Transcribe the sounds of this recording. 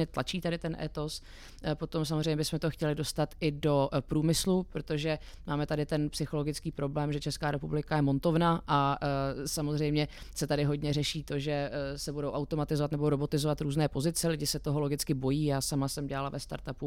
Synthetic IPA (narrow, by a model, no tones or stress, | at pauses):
ɲɛt̪lʔat͡ʃiːt̪adɪt̪ɛnʔɛ̰t̪o̞s | po̞t̪o̞msamozr̝ɛjɲɛbɪsmɛt̪o̞xcɛlɪdo̞st̪at̪ʔɪdo̞pɾuːmɪslupɾot̪o̞ʒɛ | maːmɛt̪adɪt̪ɛnpsɪxo̞lo̞ɡɪt͡skiːpɾo̞blɛːmʒɛt͡ʃɛskaːɾɛpublɪkajɛmo̞nt̪o̞vnaʔa | samozr̝ɛjmɲɛ | sɛt̪adɪɦo̞dɲɛrɛʃiːt̪o̞ʒɛsɛbudo̞wʔawt̪o̞mat̪ɪzovat̪nɛboɾo̞bo̞t̪ɪzovat̪ɾuːznɛːpo̞zɪt͡sɛlɪɟɪsɛt̪o̞ɦo̞lo̞ɡɪt͡skɪbo̞jiːjaːsamasɛmɟɛlalavɛst̪a̰ɾt̪apu